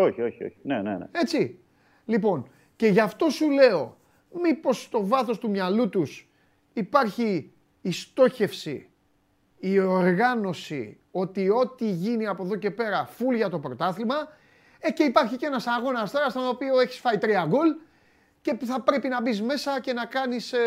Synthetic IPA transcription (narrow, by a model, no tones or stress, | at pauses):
o̞çio̞çio̰çi̥nenḛn̰e̞t͡si | lipo̞n | ce̞ʝɐft̪o̞sule̞o̞ | mipo̞st̪o̞vɐθo̞st̪umɲɐlut̪us | ipɐɾçiː | st̪o̞çe̞fsḭː | o̞ɾɣɐno̞sḭ | o̞t̪io̞t̪iʝiniɐpo̞ðo̞ce̞pe̞ɾɐfulʝɐt̪o̞pɾo̞t̪ɐθimɐ | ece̞ipɐɾçice̞nɐsɐɣo̞nɐst̪eɾɐst̪onopio̞e̞çi̥sfɐit̪ɾiɐɡol | ceθɐpɾe̞pinɐbizme̞sɐce̞nɐkɐnis